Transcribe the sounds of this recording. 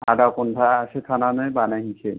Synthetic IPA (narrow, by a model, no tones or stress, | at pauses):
a̰dakɔndʰʱaːsekʰananɔjbanaɦisʰe